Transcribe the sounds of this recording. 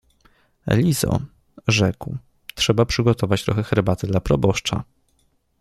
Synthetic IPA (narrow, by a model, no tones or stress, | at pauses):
ɛ̰lʲizɔ̰ | ʐɛkw | t̪ʂɛbapʂɘɡɔt̪ʰɔvat͡ɕt̪ɾɔxɛxɛɾbat̪ɛd̪lapɾɔbɔʂt͡ʂa̰